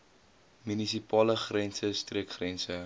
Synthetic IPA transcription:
mynisipɑːləχrɛnsəstriəkχrɛnsə

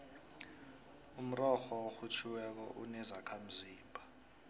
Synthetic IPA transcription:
um̩rɔxɔoxut͡ʃʰiwɛk̬ɔʔunɛzakʰam̩ziːmbʱa

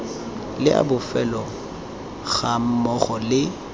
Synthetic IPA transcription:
lɪʔa̰bʊfɛlɔ | ɣam̩mɔχɔlɪ

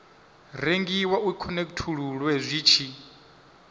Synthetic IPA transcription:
reŋɡiwaukʰɔnekʼtʰuɺuɺwɛzʷiːt͡ʃʰi

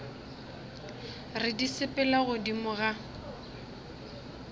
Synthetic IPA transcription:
rɪdisɪpʼɪlaɣʊdimʊɣa

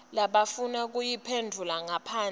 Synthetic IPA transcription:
laɓafunak̬ʼujipʰendʱulaŋapʰaːn

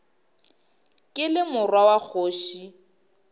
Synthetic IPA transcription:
kʼɪlɪmʊrwawak͡xʰoːʃi

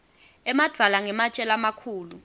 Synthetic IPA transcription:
ɛmad̥ʱwalaŋɛmat͡ʃʼɛlamakʰuːlu

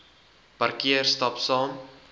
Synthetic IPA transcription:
pɐrkiərstɐpsɑːm

